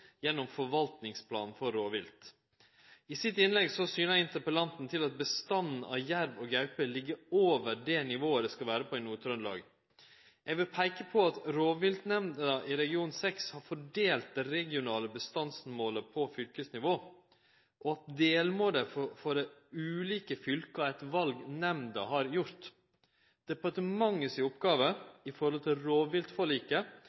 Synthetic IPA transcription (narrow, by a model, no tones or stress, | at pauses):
jɛnːɔmfɔʋɑlt̪nɪŋspʰlɑ̰ːnn̩fɔɾːoːʋɪlt̪ | ɪsɪt̪ɪnlɛɡsɔsyːnæɪnt̪əɾpəlɑnt̪n̩t̪ʰɪlɑt̪̚bəst̪ɑnn̩ʔɑ̰ʋjæɾʋɔɡjœʉpəlɪɡːəoːʋəɖɛnɪʋoːəd̪ɛskɑlʋæːɾəpʰɔɛnuːt̪ʰɾœnlɑ̰ːɡ | jɛɡʋɪlpʰæɪkəpʰɔɑt̪ɾoːʋʋɪlt̪nɛmnd̪əɑʔɪɾɛɡɪuːnsɛkshɑɾfɔɖeːlt̪̚d̪ɛɾɛɡɪʊnɑːləbəst̪ɑnsmoːləpʰɔfʏlkəsnɪʋoː | ʔɔɑt̪̚d̪eːlmoːd̪əffɔɖɛʉːliːkəfʏlkɑæt̪ʋɑlɡnɛmnd̪ɑɦɑɾjʊɾt̪ | d̪̥ɛpɑʈ̪əmɑŋːəsɪʊpɡɑːʋəɪfɔɾhɔlt̪ʰɪlɾoːʋʋɪlt̪fɔɭiːkə